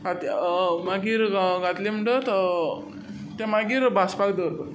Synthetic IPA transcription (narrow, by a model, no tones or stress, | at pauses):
at̪maɡiɾɡat̪lem̤əɳɖət̪ | t̪jamaɡiːɾbʱaspakd̪əɾd̪ə